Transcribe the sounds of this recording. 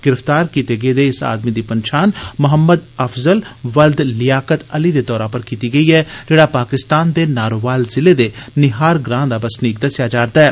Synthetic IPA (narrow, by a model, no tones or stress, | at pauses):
ɡ̥ɪɾəft̪aːɾkiːt̪eɡed̪eːɪsa̰ːd̪mid̪iːpənʃaːnmʊɦəmːəd̪əfzəlʋəld̪lɪjaːkət̪əlid̪et̪ɔːɾãːpəɾkiːt̪iɡɐiːɦɛːd͡ʒeːɽaːpaːkɪst̪aːnd̪eːnaːɾoʋaːlzɪled̪enɪɦaːɾɡɾãːd̪abəsniːk̚d̪ɐsjad͡ʒaːɾd̪aɛː